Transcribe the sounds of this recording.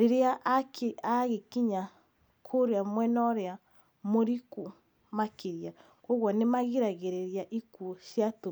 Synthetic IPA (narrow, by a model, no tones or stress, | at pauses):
ɾeɾeaʔkeaɣekiɲa | kʰoɾeamwɛnɔɾea | moɾiku | makeɾja | koɣwɔnemaɣiɾaɣeɾeɾjaʔikuʃjatu